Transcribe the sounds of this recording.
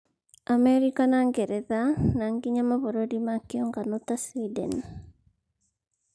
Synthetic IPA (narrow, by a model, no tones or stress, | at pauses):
ʔamɛɾikanaŋɡɛɾɛðanaŋɡiɲamaβoɾodimakiɔŋɡanot̪asidɛ̰n